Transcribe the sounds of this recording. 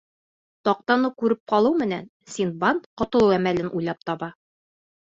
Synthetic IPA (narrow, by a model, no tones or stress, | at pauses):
t̪ɒq̚t̪ɑnɤkʉɾɘp̚qɒlˠɤwmɘ̆næn | sinbant̪qŏt̪ɤ̆lˠɤwæmælɘnʔujlˠɑp̚t̪ɒβɑ